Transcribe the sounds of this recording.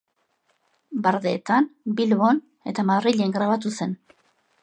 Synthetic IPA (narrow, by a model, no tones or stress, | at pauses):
baɾðeːt̪ambilβo̞n | e̞t̪amaðriʎe̞ŋɡɾaβat̪use̞n